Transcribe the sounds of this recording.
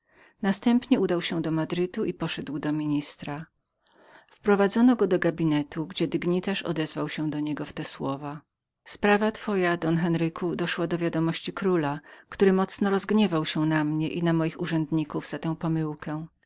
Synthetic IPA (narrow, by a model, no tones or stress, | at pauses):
nast̪ɛmpɲɛud̪awɕɛ̃d̪ɔmad̪ɾɘt̪uʔipɔʂɛd̪wd̪ɔmʲiɲist̪ɾa | fpɾɔvad̪zɔnɔɡɔd̪ɔɡabʲinɛt̪ʰuɡd͡ʑɛd̪ɘɡɲit̪aʂɔ̰d̪ɛzvawɕɛ̃d̪ɔɲɛɡɔft̪ɛswɔva | spɾavat̪fɔjad̪ɔnxɛnɾɘkud̪ɔʂwad̪ɔvʲjad̪ɔmɔɕt͡ɕikɾulakt̪uɾɘmɔt̪snɔɾɔzɡɲɛvawɕɛnamɲɛʔinamɔjixuʐɛnd̪ɲikuvz̥at̪ɛ̃w̃pɔmɘwkɛ̃